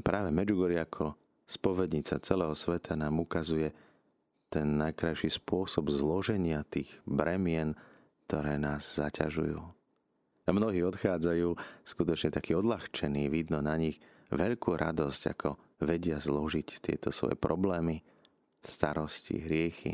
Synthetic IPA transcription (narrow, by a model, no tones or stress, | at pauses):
pɾaːʋɛmɛd͡ʒuɡɔɾiakʰɔ | spɔʋɛd̪ɲit͡sat͡sɛlɛːɦɔsʋɛt̪ʰanaːmukazujɛ | t̪ɛnːajkɾajʃispʊɔsɔbzlɔʒɛɲɪat̪iːɣbɾʔɛmɪɛn | kt̪ɔɾɛːnaːzzacaʒṵjṵː | amnɔɦiːɔt̪xaːd͡zajuːskut̪ɔt͡ʃɲɛt̪akiːɔd̪laxt͡ʃɛniːʋid̪nɔnaɲiɣ | ʋɛʎkuːɾʔad̪ɔsca̰kʰɔ | ʋɛɟɪazlɔʒict̪ɪɛ̰t̪ɔsʋɔ̰jɛ̰pɾʔɔblɛːmi | st̪aɾɔscḭɦɾɪɛxḭ